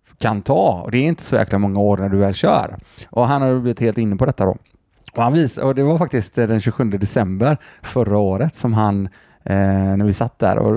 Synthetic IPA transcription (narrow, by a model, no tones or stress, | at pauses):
kʰant̪ʰɑːɔ̰d̪ɛːɾɪnt̪ʰə̥sɔjæ̰ːklamɔŋːaoːɾnæɖɵvɛːlɕœ̰ːɾʔɔɦanhaɾjbliːvɪt̪heːlt̪ɪnːəpɔd̪ɛt̪ːad̪o̰ː | ɔhanviːsɔd̪ɛvaɾfak̚t̪ɪst̪d̪ɛnɕʉɧɵnd̪əd̪ɛsɛmbəɾfœɾːaoːɾət̪sɔmɦan | næɾvɪsat̪̚ːd̪æ̰ɾɔ̰